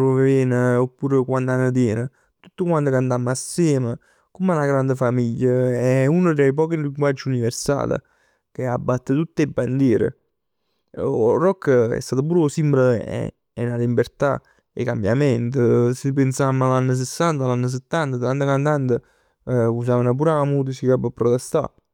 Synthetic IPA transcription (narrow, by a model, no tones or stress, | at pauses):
ɾveɛːnəopːuːɾəkwand̪anːəd̪jɛːnə | t̪ut̪ːəkwant̪okant̪amːasːɛːmə | kumanaɡɾand̪əfamiʎːəɛunəd̪ejp̬ɔːkinliŋɡwad͡ʒːiuniveɾsa̰ːlə̰ | keabːat̪ːət̪ut̪ːebːand̪jɛːɾə̰ | rɔkːəɛ̰st̪aːt̪əp̬uːɾsimbləɛ̰ | ɛnalimbert̪a̰ | ḛkambjamɛnt̪əsəpːensamːalanːəs̬esːant̪alanːəs̬ət̪ːant̪ət̪ɾant̪əkant̪ant̪ə | us̬aːvənap̬uɾaamut̪̬əsikabəpːɾɔt̪ɛst̪a̰